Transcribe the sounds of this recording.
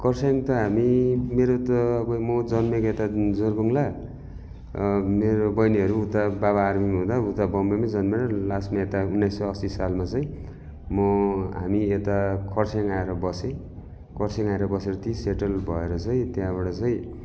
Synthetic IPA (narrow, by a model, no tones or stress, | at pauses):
kʰʌrsaŋt̪ʌɦamimeɾot̪ʌːbʌmʌd͡zʌnmeket̪ad͡zoɾbʌŋla | meɾobʌjniɦʌɾuːt̪abaβaːrmimɦũd̪aut̪abʌmbamad͡zʌnmeɾʌlasmaet̪aunːajsːʌjʌsisalmat͡sʌĩ | mʌɦamiet̪akʰʌrsaŋaeɾʌbʌsẽ | kʰʌrsʰeŋaeɾʌbʌseɾʌt̪ʰiseʈʌlbʱʌeɾʌt͡sʌĩt̪jãbaɽʌt͡sʌj̃